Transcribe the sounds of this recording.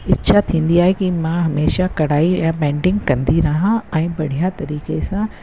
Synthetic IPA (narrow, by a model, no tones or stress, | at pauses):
ɪʃʰat̪ʰĩːn̆d̪iaːɦekimãɦɐmeːʃakɐɽ̤aːiãpɛ̃ːɳɖɪ̃ŋɡkɐ̃nd̪iɾɐɦãɛ̃ːbɐɽ̤ʱijat̪ɐɾiːkesã